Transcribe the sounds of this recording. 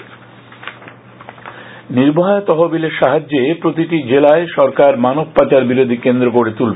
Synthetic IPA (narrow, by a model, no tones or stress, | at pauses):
niɾbaɦaat̪ɔɦobileɾʃaɦad͡ʑːepɾot̪iʈid͡ʑelaeʃɔɾkaɾmanob̚pat͡ɕaɾbiɾod̪ʱikend̪ɾokoɾet̪ulbe